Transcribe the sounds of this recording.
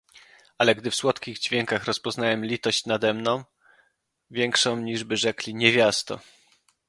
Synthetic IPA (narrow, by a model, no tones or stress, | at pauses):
alɛɡd̪ɘfswɔt̪kʲiɣd͡ʑvʲjɛŋkaxɾɔspɔznawɛmlʲit̪ɔɕt͡ɕnad̪ɛmnɔ̃w̃ | vʲjɛŋkʂɔ̃w̃ɲiʐbɘʐɛklʲiɲevʲjast̪ɔ̰